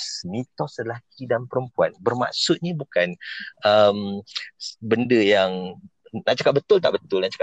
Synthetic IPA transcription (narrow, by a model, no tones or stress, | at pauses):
səmĩt̪ɔsəlak̚ʰidanpəɾəmpuanbərma̰ʔsʊt̪̚ɲibukanəm | bəndəjaŋnaʔt͡ʃakap̚bət̪ʊlt̪a̰ʔbət̪ʊlnaʔt͡ʃḁka